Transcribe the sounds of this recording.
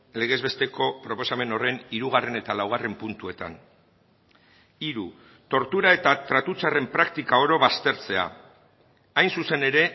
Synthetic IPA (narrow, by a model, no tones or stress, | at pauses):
le̞ɣ̞e̞zβe̞st̪e̞ko̞pɾo̞po̞same̞no̞re̞niɾuɣ̞are̞ne̞t̪alawɣare̞mpunt̪ue̞t̪a̰n | iɾu | t̪o̞ɾt̪uɾae̞t̪at̪ɾat̪ut͡sare̞mpɾakt̪ikao̞ɾo̞βast̪e̞ɾt͡se̞a̰ | ajnsuse̞neɾe̞